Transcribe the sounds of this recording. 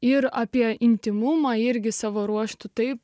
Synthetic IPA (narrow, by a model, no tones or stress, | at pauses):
ɪɾɑːpʲiɛɪnʲt̪ʲɪmumɑːɪɾʲɡʲɪsɑːʋoːɾuɔʃt̪ʊt̪ɐɪp